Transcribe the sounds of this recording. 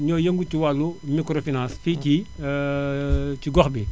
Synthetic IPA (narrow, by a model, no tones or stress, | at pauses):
ɲɔːjəŋɡuciwalːumikɾofinãnsfiːci | ciɡɔxbi